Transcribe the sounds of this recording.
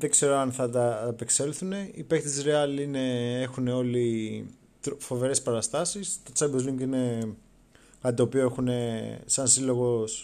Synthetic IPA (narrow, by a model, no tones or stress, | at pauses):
ðeɡse̞ɾoɐnθɐt̪ɐepe̞kse̞lθune̞ipe̞kt̪isɾeɐline̞exune̞o̞li | t̪ɾofo̞ve̞ɾe̞spɐɾɐst̪ɐsist̪ot͡sɐbozliŋɡine̞ | kɐt̪it̪o̞ːpioe̞xune̞sɐnsilo̞ɣo̞s